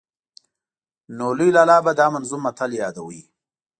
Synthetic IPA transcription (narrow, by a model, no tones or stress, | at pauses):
nolulaːlɑːbad̪ɑːmanzumat̪ʰaljɑːd̪awi